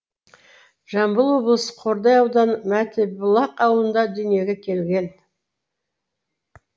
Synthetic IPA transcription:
ʒ̥ɑmbəlˠwo̞blˠəsə̥qʰo̞ɾd̪ɑjɑwd̪ɑnmæt̪ebʊlˠɑqɑwlˠənd̪ɑd̪ʏnije̞ɡʲekʲʰe̞lɡʲe̞n

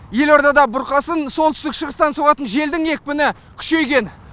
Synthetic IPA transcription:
je̞lo̞ɾd̪ɑd̪ɑbʊɾqɑsənso̞lˠt̪ʰʏst̪ɪkʃəʁəst̪ɑnsoʁɑt̪ənʒe̞ld̪ɪŋe̞k̚ʲpɪnɪ | kʲʰʏ̥ʃe̞jɡʲe̞n

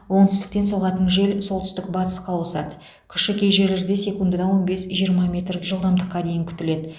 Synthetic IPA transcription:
wo̞nt̪ʰʏst̪ɪ̥k̚p̪e̞nso̞ʁɑt̪ənʒe̞lso̞lˠt̪ʏ̥st̪ɪk̚bɑt̪ə̥sqɑwlˠsɑd̪ə̥ | kʲʰʏ̥ʃɪkʲʰe̞jʒe̞ɾlɪɾd̪ese̞kund̪əd̪ɑwo̞nbe̞sʒijəɾmɑmʲe̞t̪ɾkʒəlˠd̪ɑmd̪əqːɑd̪e̞jɪŋkʲʰʏ̥t̪ɪle̞d̪ɪ

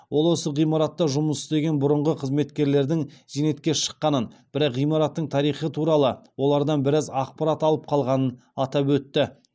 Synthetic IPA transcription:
wo̞lˠwo̞səʁijmɑɾɑt̪ːɑʒʊməsɪzd̪e̞ɡʲe̞nbʊɾʊɴʁəqʰəzme̞t̪kʲe̞ɾle̞ɾd̪ɪŋzene̞t̪kʲe̞ʃə̥qːɑnənbɪɾɑqʁijmɑɾɑt̪ːəɴt̪ʰɑɾijχət̪ʰuɾɑlˠəwo̞lˠɑɾd̪ɑnbɪɾɑzɑq̚pɑɾɑt̪ɑlˠəp̚qʰɑlˠʁɑnən | ɑt̪ɑpwɵt̪ːɪ

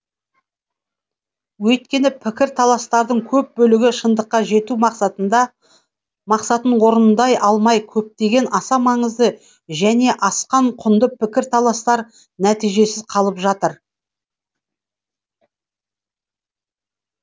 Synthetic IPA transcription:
wɵt̪̚kʲe̞nɪpʰɪkʲɪɾt̪ʰɑlˠɑst̪ɑɾd̪əɴkʲʰɵp̚bɵlɪɡʲɪʃənd̪əqːɑʒe̞t̪umɑqsɑt̪ənd̪ɑ | mɑqsɑt̪ənwo̞ɾənnd̪ɑjʔɑlˠmɑjkʲʰɵp̚t̪e̞ɡʲe̞nɑsɑmɑɴəzd̪ə | ʒæne̞ʔɑsqɑɴqʰʊnd̪əpʰɪkʲɪɾt̪ʰɑlˠɑst̪ɑɾ | næt̪ijʒe̞sɪzqʰɑlˠəpʒɑt̪əɾ

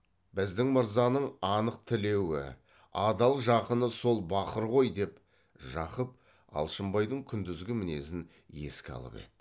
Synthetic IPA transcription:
bɪzd̪ɪŋməɾzɑnəɴɑnəq̚t̪ʰɪle̞wɪ̰ | ɑd̪ɑlˠʒɑqənəso̞lˠbɑqəɾʁo̞jd̪e̞p | ʒɑqəp̚ | ɑ̰lˠʃəmbɑjd̪əɴkʲʰʏnd̪ɪzɡʲɪmɪne̞sɪn | e̞̰skʲɑ̰lˠə̰pḛt̪ː

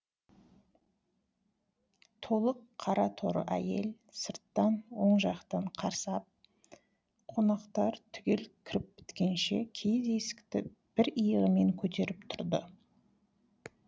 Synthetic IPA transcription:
t̪ʰo̞lˠəqʰːɑɾɑt̪ʰo̞ɾə̰ʔæ̰je̞̰l | səɾt̪ːɑnwo̞ɴʒɑqt̪ɑɴqʰɑɾsɑp̚ | qʰo̞nɑqt̪ɑɾt̪ʰʏɡʲelkʲʰɾɪp̚pɪ̥t̪kʲe̞nʃe̞̰kʲʰejd̪e̞sɪ̥kt̪ɪ | b̥ɪɾijəʁəme̞ŋkʲʰɵt̪e̞ɾɪp̚t̪ʰʊɾd̪ə

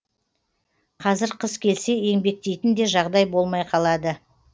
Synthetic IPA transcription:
qʰɑzɪɾqʰəskʲʰe̞lse̞e̞ŋbe̞k̚t̪e̞jt̪ɪnd̪e̞ʒɑʁd̪ɑjbo̞lˠmɑjqʰɑlˠɑd̪ə

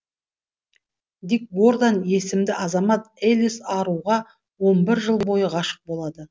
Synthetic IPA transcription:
d̪ik̚ɡo̞rd̪anje̞sɪmd̪ɪʔɑzɑmɑt̪elisɑɾuʁɑ | wo̞nbɪɾʒəlˠbo̞jəʁɑʃə̥q̚bo̞lˠɑd̪ə

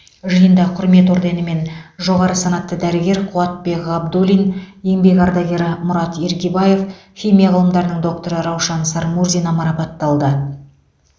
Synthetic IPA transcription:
ʒəjənd̪ɑqʰʊɾme̞t̪o̞ɾd̪enəme̞nʒo̞ʁɑɾəsɑnɑt̪ːəd̪æɾɪɡʲe̞ɾqʰuɑt̪̚be̞kɑbd̪ulʲinje̞ŋbe̞kʲɑɾd̪ɑɡʲe̞ɾɪmʊɾɑt̪je̞ɾkʲebɑje̞fxʲimʲijɑʁɑlˠəmd̪ɑɾənəɴd̪o̞k̚t̪o̞ɾəɾɑwʃɑnsɑɾmuɾzijnɑmɑɾɑpɑt̪ːɑlˠd̪ə

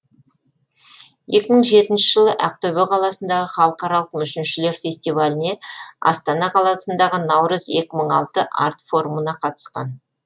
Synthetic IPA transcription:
je̞kʲɪməɴʒe̞t̪ɪnʃɪʒəlˠəʔæq̚t̪ɵwɪqʰɑlˠɑsənd̪ɑʁəχɑlˠəqɑɾɑlˠəqmʏʃɪnʃɪle̞ɾfʲe̞sʲt̪ijvalʲɪne̞ɑ̰st̪ɑnɑqʰɑlˠɑsənd̪ɑʁənɑwɾəze̞kʲɪməɴɑlˠt̪əʔɑ̰ɾt̪fo̞ɾumənɑqʰɑt̪ə̥sqɑ̰n

